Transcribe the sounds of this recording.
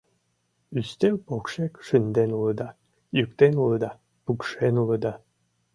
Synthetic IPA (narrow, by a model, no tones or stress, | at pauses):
yst̪elpokʃekʃynd̪enulə̆d̪ɑ | jykt̪enuləd̪ɑ | pukʃenuləd̪ɑ